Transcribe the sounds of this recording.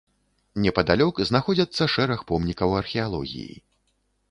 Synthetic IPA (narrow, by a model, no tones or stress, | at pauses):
nʲɛpɐd̪alʲɔkznaxɔd͡zʲɐt̪sːɐʂɛɾɐxpɔmnʲikɐwɐrxʲɛalˠɔɣʲḭjḭ